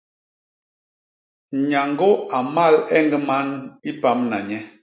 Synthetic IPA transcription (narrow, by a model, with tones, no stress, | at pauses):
ɲa˨ŋɡo˦a˨ma˦˨lɛ˦ŋɡə˦ma˦ni˦pa˨˦mna˨ɲɛ˦